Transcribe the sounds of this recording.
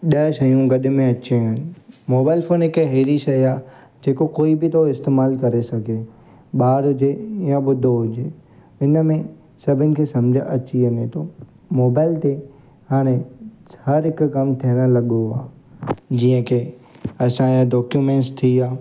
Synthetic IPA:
ɗɐʃɐjũɡɐɗʊ̆mẽɐt͡ɕẽɪnɪ̆moːbaːɪlfoːnɪkeɦeːɾiʃɐiaː | d͡ʑeːkokoːibɪt̪ʰoɪst̪eːmaːlkɐɾesɐɡʱe | ɓaːɾɦʊd͡ʑejãɓʊd̪ʱoɦʊd͡ʑeː | ɪnə̆mẽ | sɐbʱɪnɪ̆kʰeːsɐmd͡ʑʱəʔɐt͡ɕiɐnet̪ʰo | moːbaːɪlt̪e | haːɽ̃ẽhɐɾɦɪkʊkɐmt̪ʰiəɽ̃ə̆lɐɠoa̰ː | d͡ʑĩːə̃kʰeːɐsãjãdɔːkjumẽːnʈst̪ʰiaː

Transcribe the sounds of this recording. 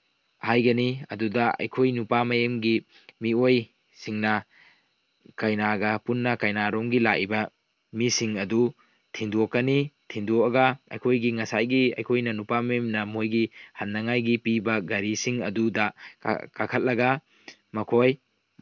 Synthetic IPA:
hajɡɐniɐ̰dudɐʔɐ̰jkʰojnupamɐjemɡi | mioj | siŋnɐ | kajnaɡɐpunːɐkajnaɾoŋɡilaʔibɐ | misiŋɐdu | tʰinduokːɐnitʰinduɐɡɐɐ̰jkʰojɡiŋɐsajɡiɐ̰jkʰojnɐnupamɐjemnɐmojɡihɐnːɐŋajɡipibɐɡɐɾisiŋɐdudɐ̰kakʰɐt̚lɐɡɐ | mɐkʰoj

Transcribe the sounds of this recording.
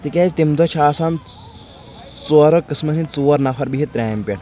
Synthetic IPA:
t̪ikʲaːzt̪imd̪ɔt͡ʃʰaːsam | t͡suɐɾokːɨsmɐnit͡suwɐɾnɐfʰɐɾbiɦit̪ɾʲaːmpʲeʈ

